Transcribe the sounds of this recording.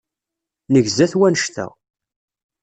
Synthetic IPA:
nəʝzæθwænəʃθæ̰

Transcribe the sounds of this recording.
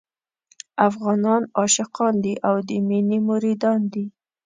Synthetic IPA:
afɣɑnɑnɑʃɪqɑnd̪iʔawd̪əminimʊɾid̪ɑnd̪i

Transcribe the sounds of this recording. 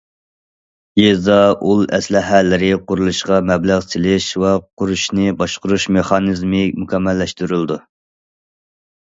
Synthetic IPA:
jezɑʔulˠɛ̰slɪɦælɪɾɪqʊɾulˠuʃqɑmɛblæʁsɪlɪʃwɛqʰʊɾuʃnɪbɑʃqʊɾuʃmeχɑnɨzmɪmukʲɛmːɛlːɛʃt̪yɾylˠd̪u

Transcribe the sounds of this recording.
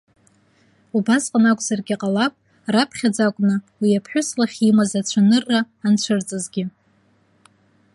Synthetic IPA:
ubasqʼanakʷʼzarɡʲiqʼalapʼ | rapʰχʲad͡zakʷʼnɨ | wijapʰħʷᶣʊslaχʲimazat͡ɕʷʰanɨrːaːnt͡ɕʷʰɨrt͡sʼɨzɡʲɪ

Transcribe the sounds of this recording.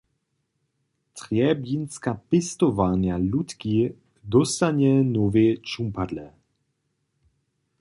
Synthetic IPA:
t̪ʁjɛbjinskapɪst̪ɔvanjalut̪ki | d̪ɔst̪aɲɛnɔvet͡ʃumpad̪lɛ

